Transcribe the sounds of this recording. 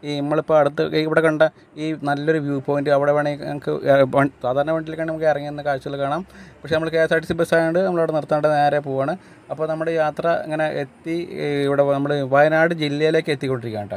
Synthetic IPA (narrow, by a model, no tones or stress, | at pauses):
inimːɐɭipːoːɐɽut̪ːɨiʋiɽekɐɳɖɐ | iːnɐlːo̞ɾuʋjuːpo̞ːjindɨɐʋiɽeʋeːɳekːɨ̰saːd̪ʱaːɾɐɳɐʋeɳɖilekːaːɳnɐmukːeɐrɐŋːijenːɨkaːɾt͡ɕːuɣɐɭkaːɳaːmpɐkʂenɐmːɐɭkɐjaːsaːʈːisibɐsaːjoɳɖɨnɐmɐɭʋiɽenirt̪ːaːnɳɖeneːɾepoːaːɳɨ | ɐpːoːnɐmːɐɽejaːt̪rɐɐ̰ŋːɐne̞ʔet̪ːiiʋiɽenɐmːɐɭeʋɐjnaːɽɨd͡ʑilːɐjile̞ːkːɨet̪ːikʲːo̞ɳɖiɾikʲːḛːɳɳɖɨ